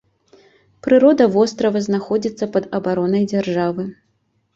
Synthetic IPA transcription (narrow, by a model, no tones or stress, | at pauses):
pɾɨɾɔd̪ɐvɔst̪ɾɐvɐznaxɔd͡zʲit̪sːɐpɐd̪ɐbaɾɔnɐjd͡zʲarʐavɨ